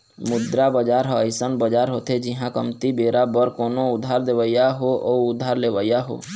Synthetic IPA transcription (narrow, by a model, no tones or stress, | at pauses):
mʊd̪ɾabəd͡ʒaɾɦəɪsənbəd͡ʒaɾɦot̪ʰed͡ʒiɦãkəmt̪ibeɾabəɾkonoʊd̪ʱːaɾd̪eʋəijaɦooːʊd̪ʱːaɾleʋəijaɦo̰